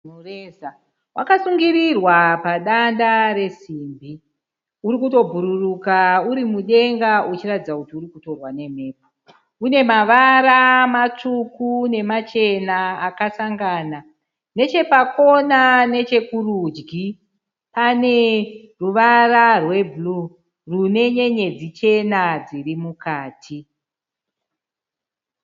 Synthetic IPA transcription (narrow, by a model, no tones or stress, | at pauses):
reza | wʔa̰kasuŋɡirirwapaɗandare̞siːmbi | uɾikuto̞bʱuɾurukauɾimuɗe̞ŋɡaut͡ʃiratid͡zakutiuɾikuto̞rwane̞me̞ːp̚o | une̞maʋaɾamat͡ʂukune̞mat͡ʃe̞naːkasaŋɡaːna | ne̞t͡ʃe̞pako̞nane̞t͡ʃe̞kurud͡ʒɡi | pane̞ | ruʋararwe̞bʱulu | rune̞ɲe̞ɲe̞d͡zit͡ʃe̞nad͡zirimukaːtʰi